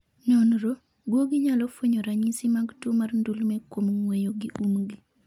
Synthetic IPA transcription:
nɔnɾo | ɡwoɡɪɲalɔfwoɲoɾaɲisimaɡtomarndulmɛkwomŋwejoɡiʔumɡi

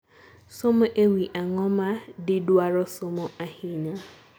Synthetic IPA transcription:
sʊmʊʔewiʔaŋɔmadɪdwaɾɔsʊmʊʔahiɲa

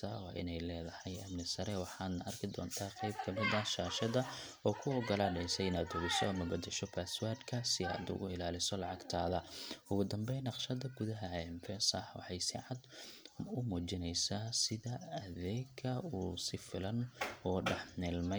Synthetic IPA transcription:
ɐwɑ̰ːʔɪ̰nɛjlɛːðɐhɛjɐmnɪsɐɾɛwɑħɑːd̪nɐʔɐrkʰɪd̪ɔ̰ːnt̪ʰaːqɛjbkʰɐmɪðɐʃaːʃɐðɐ | ɔːkʰʊɔɡɐlaːɖɛjsɛjnɐd̪ʊɣɪsɔɐmɐbɐd̪ɛʃɔpʰaːswad̪kʰɐsɪɐ̰ːd̪ʊ̰ɣʊ̰ɪlaːlɪsɔlɑʕɑɡt̪ʰaːðɐʊɣʊd̪ɐmbɛjnɑqʃɐðɐɡʊðɐɦɐɛɪmfɛsɐwɑ̰ħɑjsɪ̰ʕɑd̪ | ʊmuːt͡ʃɪnɛjsaːsɪðɐɐðɛːɡkʰɐuːsɪfɪlɐnɔːɖɑħnɛːlmɛ

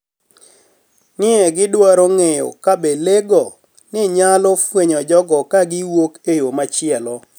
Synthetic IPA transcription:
nɪɛɡɪdwaɾoŋejɔ̰kabeleɡɔ | nɪɲalɔfweɲɔd͡ʒɔɡɔkaɡɪwokejomat͡ʃɪɛlɔ

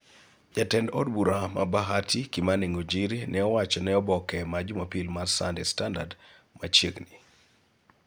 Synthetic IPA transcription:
d͡ʒatɛndɔ̰dbuɾama̰baɦatʰikimaniŋod͡ʒiɾinʔɛɔwat͡ʃɔnɛɔbɔkɛmad͡ʒmapilmarsandɛ̰standa̰d | mat͡ʃeɡni

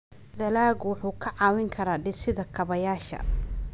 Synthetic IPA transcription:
d̪ɐlaːɡwʊħuːkʰɐʕɑːwɪŋkʰɐɾaːɖɪsɪðɐkʰɐβɐjaːʃɐ̰

